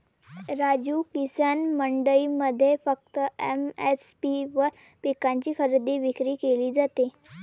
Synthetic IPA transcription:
ɾad͡ʑuːkisanməɳɖəiːməd̪ʱːjefək̚t̪əḛmespiʋəɾ | pekãɲt͡ɕiːkʰəɾd̪iːʋikɾiːkeliːd͡zat̪e

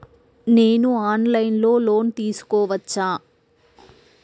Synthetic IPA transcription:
ne̞ːnuaːnlɐjnlo̞ːlo̞ːnt̪iːsu̥kɔːʋɐt͡ʃːaː

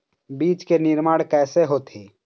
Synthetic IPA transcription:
biːt͡ʃkenɪɾmaːɽkɛːseɦoːt̪ɦeː

